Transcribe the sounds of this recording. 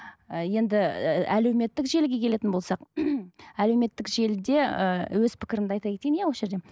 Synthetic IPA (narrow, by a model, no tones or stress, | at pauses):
əje̞nd̪ɪæle̞wme̞t̪ːɪkʒe̞lɡʲe̞kʲʰe̞le̞t̪ɪnbo̞lˠsɑq | æle̞wme̞t̪ːɪkʒe̞ld̪e̞əwɵzpʰɪ̥kʲɪɾɪnd̪əɑjt̪ɑjkʲet̪ejnjawosʒe̞ɾd̪e